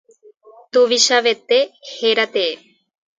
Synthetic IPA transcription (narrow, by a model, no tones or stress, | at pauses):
t̪uʋiʃaʋet̪ːeheɾat̪e